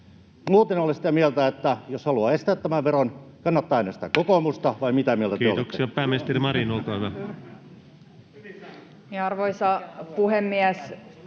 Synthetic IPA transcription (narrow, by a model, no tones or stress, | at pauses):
muːt̪enolesit̪æmielt̪æet̪ːæjoshɑluɑest̪æːt̪t̪æmæʋʋeronkɑnːɑt̪ːɑːenɑsi̥t̪ækokomust̪ɑʋɑimit̪æmielt̪ækt̪eːo̰lt̪oksiɑpæːmest̪erimɑrinolt̪oɑʋæ | miɑrʋoisɑpuhemːiæs